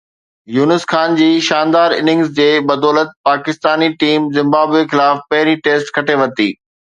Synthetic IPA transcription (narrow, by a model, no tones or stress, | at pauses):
juːnɪsxaːnd͡ʑiːʃaːnd̪aːɾɪ̰nɪ̃ŋɡzd͡ʑeːbɐd̪ɔːlət̪̚paːkɪst̪aːniʈiːmzɪ̃mbaːbexɪlaːfpɐɦɪɾiʈeːsʈkʰɐʈʰeʋɐt̪iː